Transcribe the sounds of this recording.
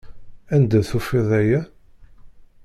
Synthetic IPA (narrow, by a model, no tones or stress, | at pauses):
ænd̪æθufiðæjæ